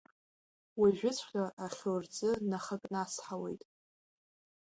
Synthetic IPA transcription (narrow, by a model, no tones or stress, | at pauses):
wiʒᶣʊt͡sʷʰχʲaʔaχʲort͡sʼɨnaχakʼnasħawe̞jtʼ